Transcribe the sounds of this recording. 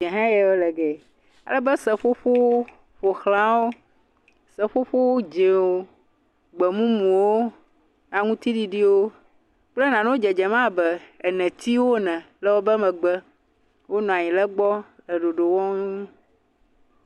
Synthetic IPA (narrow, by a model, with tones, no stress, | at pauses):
ɛ˨ɦã˦jɛ˨wo˦lɛ˨ɡɛ˨ | a̰˨lɛ˦bə˦sɛ˨ɸo˦ɸo˦w | ɸo˨xlã˦wo˦ | sə˨ɸo˦ɸo˦wo˦d͡ʒe˨wo˨ | ɡ͡bə˨mũ˦mũ˨wo˦ | nã˨ŋũ˦t̪i˦ɖi˦ɖi˦wo˦ | k͡plɛ˦nã˨nẽ˦wo˦d͡ʒɛ˨d͡ʒɛ˨mã˦bɛ˨e˨nɛ̃˨t̪i˦wo˦nɛ̃˨ | lə˦wo˦bə˦mɛ̃˨ɡ͡bɛ˦ | wo˦nɔ̃˨a˨ɲĩ˨lɛ˦ɡ͡bɔ˦ | lə˨ɖo˨ɖo˨wɔ̃˦nu˦ũ˦